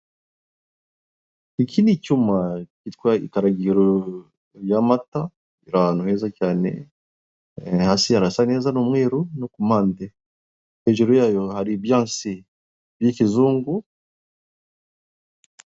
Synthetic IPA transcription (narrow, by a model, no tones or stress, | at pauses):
ikʰinicumakitwaḭkaɾaɡiɾo | jamata | iɾaanuhezacaːnḛ | hasihaɾasanezanomweːɾunokumaːnde | eʒuɾojaːjohaɾibjãːsi | bjikizuːŋɡu